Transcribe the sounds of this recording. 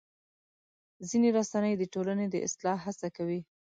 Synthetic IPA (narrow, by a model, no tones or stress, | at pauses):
zineɾasanəjd̪əʈolaned̪əʔɪ̰slɑɦasakawi